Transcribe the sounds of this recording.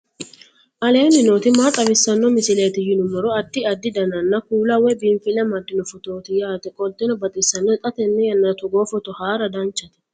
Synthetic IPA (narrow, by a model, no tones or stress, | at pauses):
ʔɐle̞ːnɪnoːt̪ɪmaːt̪ʼɐbɪsːɐnːɔmɪsɪleːt̪ɪjɪnʊmɔɾɔɐd̪ːɪɐd̪ːɪd̪ɐnɐnːɐkuːlɐwɛbɪɱfɪlɛmɐd̪ːɪnɔfɔt̪o̞ːt̪ɪjaːt̪ɛkʼɔlt̪ʼːɪnɔbɐt̪ʼɪsːɐnːɔɛt̪ʼɐt̪ɛnːɛjɐnːɐt̪ɔɡoːfɔt̪ɔhaːɾɐd̪ɐnt͡ʃːɐt̪ɛ̥